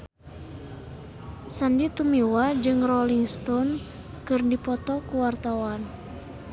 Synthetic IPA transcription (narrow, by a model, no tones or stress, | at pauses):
sandit̪umiwad͡ʒɨŋrɔliŋst̪ɔn | kɨrdipɔt̪ɔkuwart̪awan